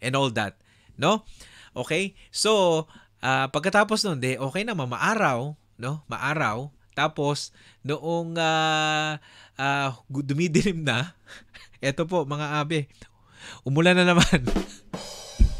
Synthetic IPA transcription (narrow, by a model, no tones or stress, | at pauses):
ʔɛ̃nold̪a̰t̪̚ | no̞ʔo̞ːkɛjso̞ | ʔaːpɐɡkɐt̪aːp̬osnond̪ɛʔo̞ːkɛjnɐmɐma̰ʔaːɾɐw | no̞mɐ̰ʔaːɾɐw | t̪aːpo̞s | nʊʔoŋaː | ʔaːd̪ʊmid̪ɪlɪmnɐ | ʔɛːt̪o̞p̬o̞ʔmɐŋaʔaːbɛ | ʔʊmʊlanɐnɐman